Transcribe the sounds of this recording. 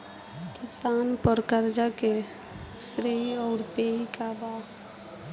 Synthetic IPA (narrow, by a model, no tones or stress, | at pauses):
kɪsaːnpəɾkəɾd͡ʒake | sɾeːiɔːɾpeːikabaː